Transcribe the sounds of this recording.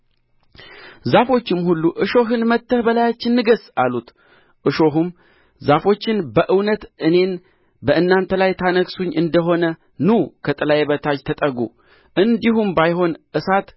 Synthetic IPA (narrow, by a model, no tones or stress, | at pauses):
zafo̞t͡ʃːɪmhulːuʔɨʃo̞ɦɨnmət̪ːəhbəlajat͡ʃːɪnːɨɡəsalut̪ | ʔɨʃo̞ɦum | zafo̞t͡ʃːɪnbəʔɨwnət̪ɨne̞n | bəʔɨnːant̪ʰəlajt̪ʰanəksuɲːʔɨnd̪əɦo̞nə | nukʰət̪ʼɨlajeβət̪ʰad͡ʒt̪ʰət̪ʼəɡṵ | ʔɨnd̪iɦumbajɦo̞nʔɨsat̪